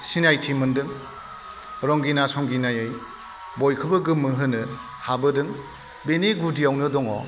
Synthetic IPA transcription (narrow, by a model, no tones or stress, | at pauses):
sinajtʰimɯndɯŋ | ɾɔŋɡinasɔŋɡinajɯj | bɔjkʰɯbɯɡɯmːɯɦɯnɯ | habɯdɯŋ | beneɡudiawnɯdɔŋɔ̰